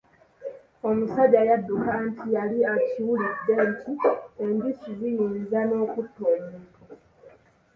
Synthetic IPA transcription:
o̞musaɟajadːukantʰijaliaciwulidentʰiembisuzijiːnzano̞ːkutːoɲe

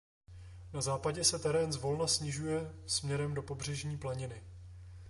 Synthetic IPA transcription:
nazaːpaɟɛsɛt̪ɛɾɛːnzvo̞lnasɲɪʒujɛsmɲɛɾɛmdo̞po̞br̝ɛʒɲiːplaɲɪnɪ

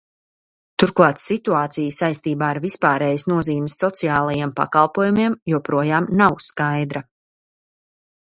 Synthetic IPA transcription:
t̪uɾklˠaːt̪sit̪uaːt̪sijsajst̪iːbaːaɾvispaːɾɛːjəsnuɔziːmɪsːɔt̪sijaːlˠɐjeɛmpa̰kɑlˠpuɔːjumiɛmjuɔpɾuɔjaːmnawskajd̪ɾa

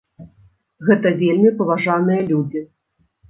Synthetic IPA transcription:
ɣɛt̪ɐvʲelʲmʲipɐvaʐanɨjɐlʲud͡zʲi

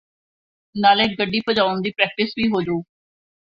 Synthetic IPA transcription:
naːlẽːɡəɖːiːpʰəd͡ʒaːʊnd̪iːpɾɛːk̚ʈɪsʋiːɦoːd͡ʒuː

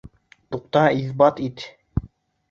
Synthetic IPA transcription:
t̪uqt̪ɑiθbɑt̪it̪

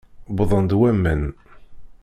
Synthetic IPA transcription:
bðˤənd̪wæmːən

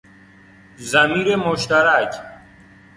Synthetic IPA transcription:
zɐmiːɾemoʃt̪aɾak

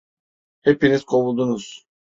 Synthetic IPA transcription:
hepinizkʰowulˠd̪unuz̥

